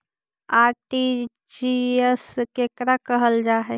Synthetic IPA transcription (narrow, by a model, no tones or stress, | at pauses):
aɾʈi | d͡ʒiəskekɾakəɦəld͡ʒaːɦɛ